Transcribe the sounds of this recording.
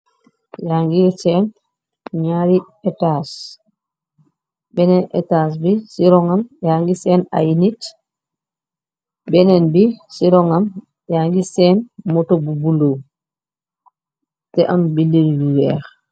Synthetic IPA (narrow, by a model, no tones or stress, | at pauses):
jaŋɡiɾsɛn | ɲaɾi | ɛtas | bɛnɛnɛ̰taːs̬bisiɾɔŋamjaːŋɡisɛːna̰jinit | bɛnɛnbisiɾɔŋam | jaŋɡisɛnmɔtɔbubulow | tɛʔambilːenluwɛːx